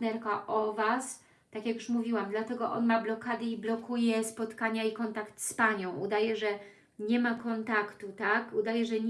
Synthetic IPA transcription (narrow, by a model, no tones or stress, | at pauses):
t̪nɛɾkaʔɔvas | t̪akjakjuʂmuvʲiwamd̪lat̪ɛɡɔʔɔ̰nmablɔkad̪ɘiblɔkujɛspɔt̪kaɲaikɔnt̪akt̪spaɲɔ̃w̃ud̪ajɛʐɛ | ɲɛmakɔnt̪akt̪ut̪akud̪ajɛʐɛɲ